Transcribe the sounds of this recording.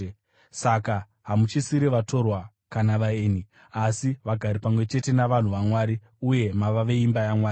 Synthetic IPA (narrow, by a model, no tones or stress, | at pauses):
saka | ɦamut͡ʃisiɾiʋato̞rwa | kanaʋaeːni | asiʋaɡʱaɾipamwe̞t͡ʃe̞te̞naʋan̤uʋamwaɾi | uje̞maʋaʋe̞imbajamwaːri